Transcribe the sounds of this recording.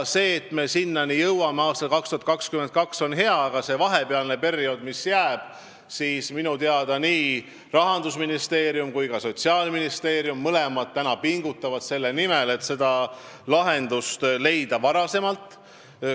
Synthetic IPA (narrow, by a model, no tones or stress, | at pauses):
se̞ːt̪me̞sinːɑnijɤwwɑmeɑːst̪ɑlkɑkst̪uhɑt̪kɑkskyment̪̚kɑkso̞nɦe̞ɑːɡ̥ɑse̞vɑɦe̞peɑlne̞pe̞rio̞d̪̥misjæːb̥ | siːsminut̪eɑd̪̥ɑniː | rɑɦɑnd̪usminist̪e̞ːɾijumkujkɑso̞t̪ʲsiɑːlminist̪e̞ːɾjumːɤle̞mɑt̪ːænɑpiŋɡ̥ut̪ːˑɑvɑt̪se̞lːenime̞le̞t̪se̞d̪ɑ | lɑɦe̞nd̪̥ust̪le̞jd̪̥ɑvɑɾɑse̞mɑlt̪ˑ